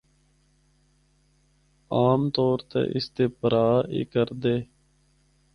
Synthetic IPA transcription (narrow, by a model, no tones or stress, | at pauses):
aːmt̪oːɾt̪ḛːʔɪst̪eːpəɾaːḭːkəɾd̪eː